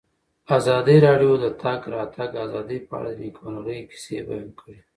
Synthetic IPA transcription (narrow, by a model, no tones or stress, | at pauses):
azɑd̪iɾɑɖijod̪ət̪ʰaɡɾɑt̪aɡazɑd̪ipəa̰ɽad̪ənikonɣəjki̥seba̰junkʰəɽe